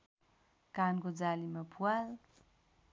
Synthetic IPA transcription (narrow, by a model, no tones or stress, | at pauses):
kanɡud͡zalimɐpʰual